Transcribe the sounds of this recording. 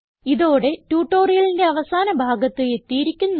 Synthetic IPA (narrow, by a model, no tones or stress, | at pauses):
iðo̞ːɽe̞tuːʈːo̞ːrijɐlinde̞ɐʋɐsaːnɐbʱaːɡɐt̪ːɨe̞t̪ːijiɾikʲːunː